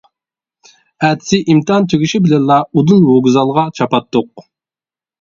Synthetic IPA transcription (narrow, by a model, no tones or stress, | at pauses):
ɛt̪ʰɪ̥sɪʔimt̪ɨɑnt̪ʰøɡʲyʃibɪlɛnlˠɑud̪unwoɡʲzɑlˠʁɑt͡ʃʰɑpɑt̪ːʊq̚